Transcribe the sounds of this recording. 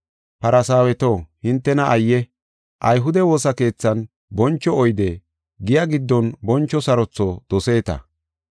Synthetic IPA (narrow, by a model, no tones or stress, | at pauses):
pɐɾɐsaːwɛt̪oːhɪnt̪ːɛnɐʔɐjːɛ | ʔɐjɦʊd̪ɛwo̞ːsɐke̞ːt͡sːɐn | bɔnt͡ʃːɔɔjd̪ɛ | ɡɪjɐɡɪd̪ːɔnbɔnt͡ʃːɔsɐɾɔt͡sːɔd̪̥ɔse̞ːt̪ɐ̰